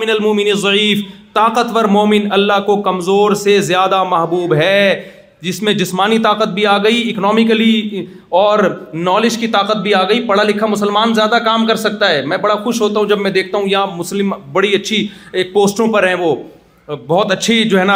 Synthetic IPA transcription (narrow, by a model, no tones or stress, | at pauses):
mɪnɐlmoːmɪnizˤɐiːft̪aːqət̪wɐɾmoːmɪnɐlːaɦkokɐmzoːɾsezjaːd̪amɐɦbuːbɦɛː | d͡ʒɪsmẽd͡ʒɪsmaːnit̪aːqət̪̚bʱiaːɡɐiɪknɔːmɪkəli | ɔːɾnɔːlɪd͡ʒkit̪aːqət̪̚bʱiaːɡɐipɐɽalɪkʰːamʊsəlmaːnzjaːd̪akaːmkɐɾsɐk̚t̪aɦɛːmɛ̃ːbɐɽaxʊʃɦoːt̪aɦũd͡ʒɐbmɛ̃d̪eːk̚ʰt̪aɦũjɐɦãmʊslɪmbɐɽiɐtːʃʰi | eːk̚poːsʈõpɐɾɦɛ̃ʋo | bɔɦʊt̪ɐtːʃʰid͡ʒoːɦɛːna